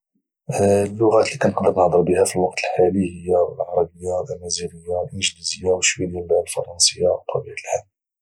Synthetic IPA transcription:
lːʊɣæt̪likænəqd̪əɾnəhd̪ˤəɾˤbəhæfilwɑq̚t̪əlħalihəjːæwə̰lʕɑɾˤɑbəjːawælmæziɾəjːawlʔənʒlizəjːawəʃwiljənbalfɑ̰ɾˤɑnsəjːawt̪ʰˤːɑbiʕat̪lħalː

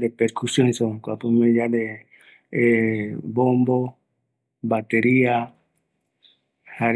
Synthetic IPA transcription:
ɾepeɾkʰusjonsokwapumẽjad̪e | ebombo | bat̪eɾia | haɾ

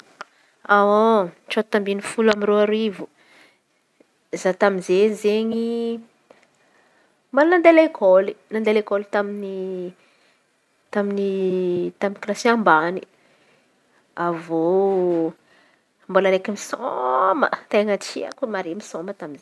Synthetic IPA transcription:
aoʈ͡ʂot̪ambinifulamiroaɾuivu | zat̪aminzezeɲi | malnand̪elekʰolinand̪elekolit̪amini | t̪aminit̪aminiklasiambani | avo | mboləɾekimisɔmə̰t̪eŋat͡sia̰kumaɾemisɔmət̪aminz

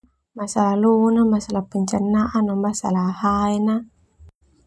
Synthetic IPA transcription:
masalalunamasalapəɲt͡ʃanːaʔanɔmasa̰lahaina

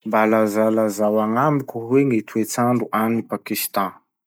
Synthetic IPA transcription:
mbalazalazawaŋamikʲuweŋet̪ʰuet͡saɳɖ͡ʐuʔanipakist̪ɑ̃

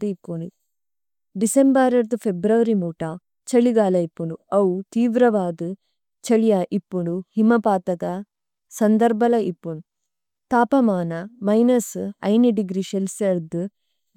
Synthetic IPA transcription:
ipːuɳu | ɖisembɐɾɐɾt̪upʰebɾɐʋɐɾimuːʈɐ | t͡ʃɐɭiɡaːlɐipːuɳɖuɐwut̪iːʋɾɐʋaːd̪u | t͡ʃɐɭijaʔipːuɳɖuhimɐpaːt̪ɐt̪ɐ | sɐnd̪ɐɾbʱɐlɐʔipːuɳu | t̪aːpɐmaːnɐmɐjnɐsɐjniɖiɡɾiʃelsɐɾd̪

